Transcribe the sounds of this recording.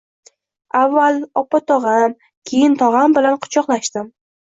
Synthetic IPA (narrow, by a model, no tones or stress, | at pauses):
avːalˠɒpat̪ʰɒʁɑm | kʲʰe̞jɪnt̪ʰɒʁambɪlanqʰʊ̥t͡ʃʰɒqlˠaʃt̪ɪm